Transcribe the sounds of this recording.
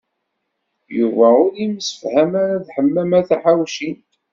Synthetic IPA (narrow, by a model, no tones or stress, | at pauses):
juvæʊɾimsə̥fhæmæɾæðħəmːæmæθæħawʃint